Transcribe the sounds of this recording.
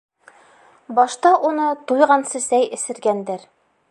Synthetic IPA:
bɒʃt̪ɑʔunɤt̪ujʁɑnsɘ̆sæjɘ̆sɘ̆ɾɡænd̪ɘɾ

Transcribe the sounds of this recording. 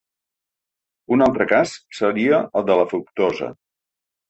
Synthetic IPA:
unalˠt̪ɾəkassəɾiəəlˠd̪ələfukt̪ozə̰

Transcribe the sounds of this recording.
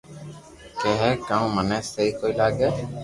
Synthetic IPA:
kɛɦɛkãmmənɛːseiːkoːilaːɡɛː

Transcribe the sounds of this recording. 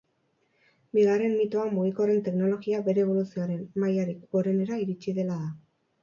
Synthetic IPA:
biɣare̞nmit̪oamuɣiko̞re̞nt̪e̞kno̞lo̞ɣiabe̞ɾe̞ːβ̞o̞lusioaɾe̞nmajaɾiko̞ɾe̞ne̞ɾaiɾit͡ʃiðe̞laða

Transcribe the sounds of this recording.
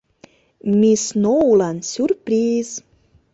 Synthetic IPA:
mʲisnoulɑnsʲyrpɾiz̥

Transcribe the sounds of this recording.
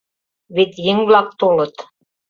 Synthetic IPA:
βet̪jɘŋβlˠɑk̚t̪olɤ̆t̪

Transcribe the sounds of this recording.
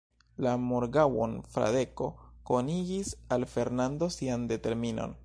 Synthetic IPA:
lamoɾɡawo̰nfɾa̰de̞ko̞ko̞niɡisalfe̞ɾnando̞siande̞te̞ɾmino̞̰n

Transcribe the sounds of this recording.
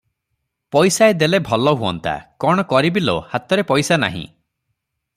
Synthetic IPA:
pɔjsaed̪elebʱɔlɔɦuɔnt̪ʰa̰kɔɽ̃ɔkɔɾibilo̰hat̪ɔɾepɔjsana̰ɦḭ̃

